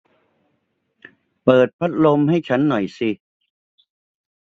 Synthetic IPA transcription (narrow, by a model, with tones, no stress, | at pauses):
pɤː˨˩t̪̚pʰa˦˥t̪̚lo˧mha˥˩jt͡ɕʰa˦˥nːɔ˨˩jsi˧